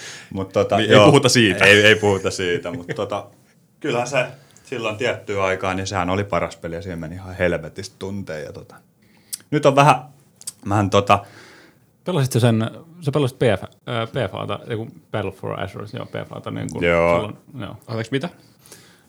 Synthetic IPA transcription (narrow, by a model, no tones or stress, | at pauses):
mut̪t̪ot̪ɑeˑiuhut̪ɑsiːt̪æeieipuhut̪ɑsiːt̪æmut̪t̪ːot̪ɑ | kylhænse | silːont̪iæt̪ːyːɑikɑːnisehænolipɑrɑspelijɑsiːhemmenihɑhelʋet̪ist̪t̪unt̪ḛːjɑ̰t̪ot̪ɑ̥ | nyt̪oʋʋæhæ | ʋæhænt̪ot̪ɑ | pelɑsit̪sesensepelːˑɑsit̪̚pefæpeːfɑ̰ːt̪ɑ̰ḛikupelfo̰ræ̰srtjo̰ːpḛːfɑ̰ːt̪ɑnḭːŋkṵjoːilːo̰njo̰ːɑeksmit̪æ